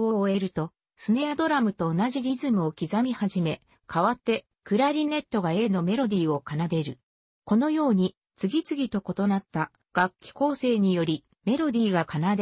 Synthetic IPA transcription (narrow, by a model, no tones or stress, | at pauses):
oe̞ɾɯ̟t̪o̞ | sɨne̞ad̪o̞ɾamɯ̟t̪o̞ːnaʑiɾʲizɨmɯ̟o̞kʲizamʲihaʑime̞ | kʰaβat̪ːe̞ | kɯ̟ɾaɾʲine̞t̪ːo̞ɡae̞ːno̞me̞ɾo̞d̪ʲiːo̞kanad̪e̞ɾɯ̟ | ko̞no̞jo̞ːɲ̟i | t͡sɨɡʲit͡sɨɡʲit̪o̞ko̞t̪o̞nat̪ːa | ɡ̥akʲːi̥ko̞ːse̞ːɲ̟ijo̞ɾʲi | me̞ɾo̞d̪ʲiːɡakanad̪e